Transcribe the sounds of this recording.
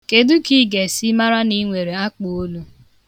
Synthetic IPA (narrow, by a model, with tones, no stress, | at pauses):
ke˨du˦ki˦ɡe˨si˦ma˦ɾa˦ni˦ŋʷe˨ɾe˨a˦k͡po˨o˦lu˦